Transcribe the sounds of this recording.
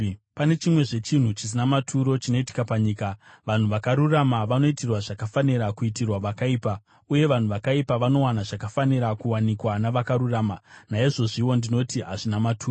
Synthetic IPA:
pane̞t͡ʃimwe̞ʐe̞t͡ʃin̤ut͡ʃis̬inamatʰuɾo̞t͡ʃino̞iti̥kapaɲiːka | ʋan̤uʋakaɾuramaʋano̞itirwaʐakafaniɾakuitirwaʋakaiːpa | uje̞ʋan̤uʋakaipaʋano̞wanaʐakafaniɾakuwanikwanaʋakaɾuraːmanaiʐo̞ʐiwo̞ndino̞tiɦaʐinamatʰuːo

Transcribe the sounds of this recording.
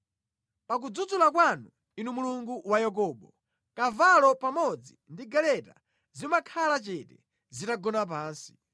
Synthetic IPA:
pak̬ud͡zud͡zulakwanu | inumuluŋɡuwajɛk̬ɔːɓɔ | kavalɔpamɔd͡zindiɡɛlɛta | zimakʰalat͡ʃɛtɛ | zitaɡɔnap̬aːnsi̥

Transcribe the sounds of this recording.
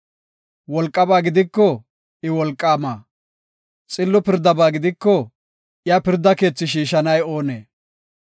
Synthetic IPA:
wɔlkʼːɐbaːɡɪd̪ɪkːɔ | ɪwɔlkʼːaːmaː | t͡sʼɪlːɔpɪɾd̪ɐbaːɡɪd̪ɪkːɔ | japɪɾd̪ːɐke̞ːt͡sːɪʃ̬iːʃɐnɐjo̞ːneː

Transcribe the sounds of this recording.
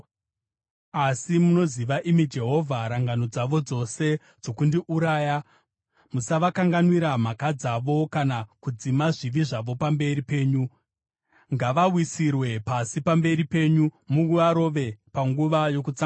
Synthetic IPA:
asimuno̞ziʋaʔimid͡ʒe̞ɦo̞vʱaɾaŋɡano̞d͡zaʋo̞d͡zo̞se̞ | d͡zo̞kundiʔuɾaːja | musaʋakaŋɡanwiɾam̤akad͡zaʋo̞kanakud͡zimaʐiʋiʐaʋo̞pambe̞ɾipe̞ːɲu | ŋɡaʋawisirwe̞pasipambe̞ɾipe̞ːɲumuɡuaɾo̞ʋe̞paŋɡuʋajo̞kut͡sa

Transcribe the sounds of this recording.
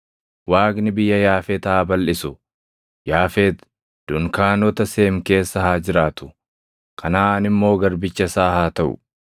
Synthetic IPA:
waːɡnɪbɪjːɐjaːfeːt̪aːbɐlʔɪsʊ | jaːfeːt̪ | d̪̥ʊŋkaːnɔt̪ɐse̞ːmke̞ːsːɐhaːd͡ʒɪɾaːt̪ʊ̥ | kʰɐnaːnɪmːo̞ːɡɐɾbɪt͡ʃːɐsaːhaːt̪ɐʔʊ̰

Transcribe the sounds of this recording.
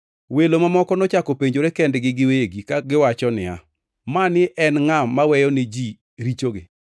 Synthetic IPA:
welomamɔkɔnɔt͡ʃakopeɲd͡ʒoɾekɛndɡɪɡɪweɡikaɡɪwat͡ʃɔnɪa̰ | manɪʔɛnŋamːawɛjɔnɪd͡ʒi | ɾit͡ʃoɡɪ̰

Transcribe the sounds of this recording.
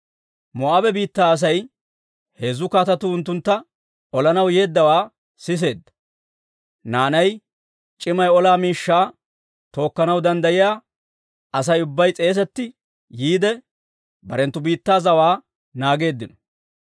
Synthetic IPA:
mɔʔabɛbiːt̪ːaːɐs̬ɐj | he̞ːzːʊkaːt̪ɐt̪ʊʊnt̪ːʊnt̪ːɐ | ɔlɐnɐwje̞ːd̪ːɐwaː | sɪs̬e̞ːd̪ːɐ̥ | naːnɐj | t͡ʃʼɪmɐjɔlaːmiːʃːaː | t̪o̞ːkːɐnɐwd̪ɐnd̪ɐjɪjaː | ɐsɐjʊbːɐjt͡sʼe̞ːs̬ɛt̪ːɪ | jiːd̪ɛ | bɐɾɛnt̪ːʊbiːt̪ːaːzɐwaː | naːɡe̞ːd̪ːɪnɔ̥

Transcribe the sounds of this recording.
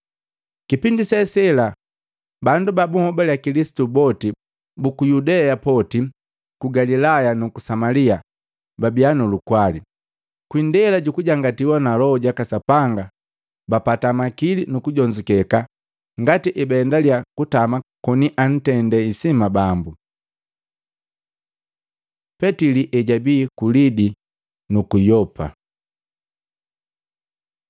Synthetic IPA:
kipindisɛsɛla | bandubabuhɔbaljakilisi̥tubɔti | bukujudɛapɔti | kuɡalilajanukusamalia | babianulukwali | kwindɛlaɟukuɟaŋɡatiwanalɔɔɟakasapaŋɡa | bapatamakilinukuɟɔɲd͡ʒukɛka | ŋɡatiʔɛbɛndaljakutamakɔniʔan̩tɛndɛisimabambu | pɛtiliʔɛɟabiːkulidi | nukujɔpʰa̰

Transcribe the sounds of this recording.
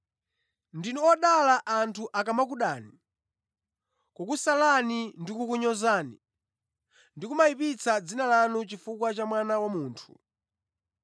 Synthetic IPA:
ndinuɔɗalaʔantʰuʔakamak̬uɗaːni | kukusalanindikukuɲɔzaːnḭ | ndikumaipit͡sad͡zinalanut͡ʃifukwat͡ʃamwanawamuːntʰu̥

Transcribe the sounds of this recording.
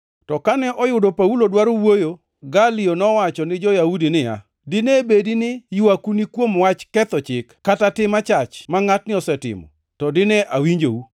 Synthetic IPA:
tɔkanɛʔɔjʊdɔpaulodwaɾowojo | ɡalionɔwat͡ʃɔnɪd͡ʒɔjaudinɪja̰ | dɪnɛbedinɪjʊakunikwomwat͡ʃkɛt̪ɔt͡ʃɪkkːatatɪmat͡ʃat͡ʃmaŋatnɪɔsɛtɪ̰mɔ̰ | tɔdɪnɛʔawiɲd͡ʒo̰u

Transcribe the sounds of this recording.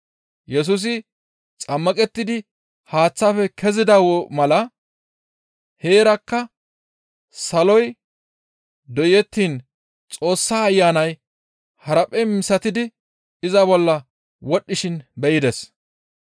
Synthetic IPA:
jɛs̬ʊs̬ɪ | t͡sʼɐmːɐkʼɛt̪ːɪd̪ɪ | haːt͡sːafɛkʰɛzɪd̪ɐwɔmɐlɐ | he̞ːɾɐkːɐ | sɐlɔj | d̪ɔjɛt̪ːiːn | t͡sʼo̞ːsːaːjːaːnɐj | hɐɾɐpʼɛmɪsɐt̪ɪd̪ɪ | ɪzɐbɔlːɐ | wɔɗːɪʃɪnbɛjɪd̪ɛs

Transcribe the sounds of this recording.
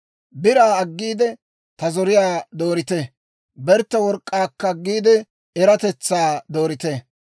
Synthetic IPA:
bɪɾaːɐɡːiːd̪ɛ | t̪ɐzɔɾɪjaːd̪o̞ːɾɪt̪ɛ | bɛɾt̪ːɐwɔɾkʼːaːkːɐːɡːiːd̪ɛ | ɛɾɐt̪ɛt͡sːaːd̪o̞ːɾɪt̪ɛ

